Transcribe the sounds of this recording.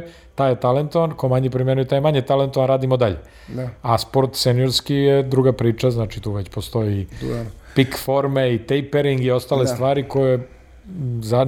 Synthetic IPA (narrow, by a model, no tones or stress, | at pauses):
t̪aːjet̪ale̞nt̪oʋankomaɲepɾimjenujet̪aːjemaɲet̪ale̞nt̪oʋanɾaːd̪imod̪aʎḛ | aspo̞ɾt̪senijoɾskijed̪ɾuɡapɾiːt͡ʃaznaːt͡ʃit̪uːʋet͡ɕpo̞st̪o̞ji | pikfoɾmeit̪ejpeɾiŋɡio̞st̪aːlesʋaːɾiko̞je | za